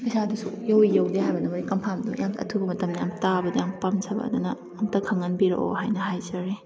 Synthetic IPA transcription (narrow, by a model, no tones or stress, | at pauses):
kɐjsadusujowijawdeɦajbɐnɐmɾikɐmpʰamdṵjamɐ̰tʰubɐmɐtɐmnɐjamtabɐdɐjaŋpɐmzʰɐbɐ̰ːd̪unɐːmtɐkʰɐŋɐnbiɾɐ̰ʔo̰hajnɐhajzɐɾi